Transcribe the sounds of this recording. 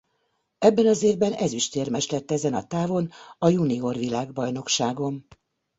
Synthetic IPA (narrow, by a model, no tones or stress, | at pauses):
ɛbːɛnɒzeːvbɛnɛziʃt̪eːrmɛʃlɛt̪ːɛzɛnɒt̪aːvo̞nɒjunio̞rʋilaːɡbɒjno̞kʃaːɡo̞n